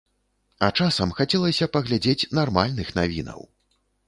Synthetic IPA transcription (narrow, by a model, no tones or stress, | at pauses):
ɐt͡ʂasɐmxat͡sʲɛlˠɐsʲɐpɐɣlʲad͡zʲet͡sʲnarmalʲnɨxna̰vʲḭnɐ̰w